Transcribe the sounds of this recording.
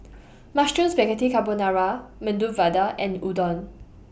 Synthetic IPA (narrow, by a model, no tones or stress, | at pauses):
mastũnsbɛɡatikabɔnaɹamə̃nduvadaʔɛ̃nudɔ̃n